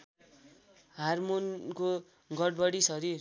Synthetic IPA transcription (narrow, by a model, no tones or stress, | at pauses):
harmonko | ɡʌɽ̚bʌɽisʌɾir